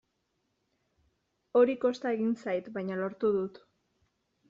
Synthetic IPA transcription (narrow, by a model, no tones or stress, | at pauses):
o̞ɾiko̞st̪aeɣinsajt̪bajɲalo̞ɾt̪uðut̪